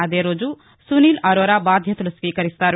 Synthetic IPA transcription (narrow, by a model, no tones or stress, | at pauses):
ad̪eɾod͡zu | sunilɐɾoɾabad̪ʱjɐt̪uluskikɐɾist̪aɾ